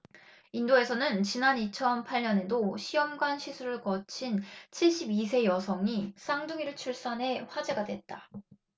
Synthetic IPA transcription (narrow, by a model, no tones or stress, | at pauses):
indoe̞sʰʌnɯnt͡ɕinanit͡ɕʰʌnpʰaʎɲʌne̞doɕʰijʌmɡwanɕʰisʰuɾɯɭkʌt͡ɕʰint͡ɕʰiɭɕ͈ibisʰe̞jʌsʰʌŋis͈ʰaŋduŋiɾɯɭt͡ɕʰuɭs͈anɦe̞ɸwad͡ʑe̞ɡadwe̞t̚t͈a